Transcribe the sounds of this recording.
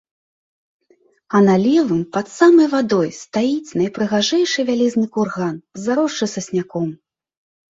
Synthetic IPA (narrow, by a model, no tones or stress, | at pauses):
ɐnalʲɛvɨmpɐt̪samɐjvad̪ɔjst̪ajit͡sʲnɐjpɾɨɣaʐɛjʂɨvʲalʲiznɨkurɣanzaɾɔʂt͡ʂɨsɐsʲnʲakɔm